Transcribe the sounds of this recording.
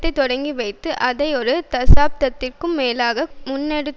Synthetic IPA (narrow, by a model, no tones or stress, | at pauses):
t̪ːɐɪt̪ːɔɽɐŋɡiʋɐɪt̪ːɯʔɐðɐɪɔɾɯt̪ɐsaːp̚t̪ɐt̪ːɪrkɯmːeːlaːɣɐmʊnːɛɽɯ